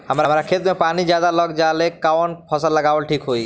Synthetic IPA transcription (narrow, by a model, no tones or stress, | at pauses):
ɦəmɾamɾakʰet̪mepanid͡ʒjad̪alɔɡd͡ʒalekanpʰɔsəlːəɡaːʋəlʈʰikɦoi